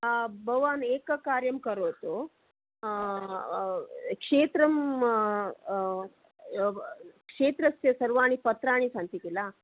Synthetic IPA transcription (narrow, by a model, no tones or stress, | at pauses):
bʱɐʋaːneːkɐkaːɾjɐmkɐɾoːt̪u | kʂeːt̪ɾɐm | kʂeːt̪ɾɐsjɐsɐɾʋaːɳipɐt̪ɾaːɳ̃isɐnt̪it̪ila